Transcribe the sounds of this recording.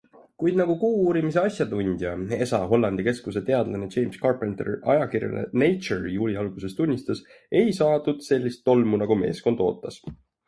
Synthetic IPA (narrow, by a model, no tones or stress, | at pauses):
kujd̪̥nɑɡukuːuːɾimise̞ɑsʲjɑt̪unʲd̪̥ʲjɑe̞sɑɦo̞lːɑnd̪̥ike̞skuse̞t̪e̞ɑd̪̥lɑnet͡ʃe̞jmskɑrpˑent̪ḛrɑ̰jɑkirjɑ̰nḛne̞jt͡ʃerjuːlʲiɑlɡ̥use̞st̪unʲːist̪ɑs | e̞jsɑːt̪ud̪̥se̞lʲːist̪ːo̞lmunɑɡume̞̰ːsko̞nd̪̥o̞̰ːt̪ːˑɑs